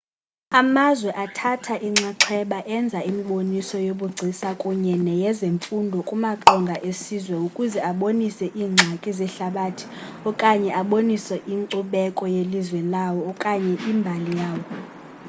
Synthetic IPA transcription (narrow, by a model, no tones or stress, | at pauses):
amazwɛʔatʰatʰaʔiŋ͡ǀaǁʰɛɓaʔɛnd͡zʱaimiɓonisɔjoɓuɡ͡ǀʱisakʼuɲɛnɛjɛzeɱfundʱɔkʼumaǁɔŋɡʱaʔesizwɛukʼuzɛaɓonisɛʔiːŋ͡ǀʱakʼizɛɬaɓatʰi̥ | ɔkʼaɲɛʔaɓonisɛʔiŋǀuɓɛkʼɔjelizwɛlawɔːkʼaɲɛʔiːmbʱalijaːwɔ